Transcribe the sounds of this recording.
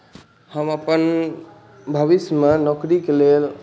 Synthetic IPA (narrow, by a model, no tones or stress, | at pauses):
həməpən | bʱəʋismenɔkɾikelel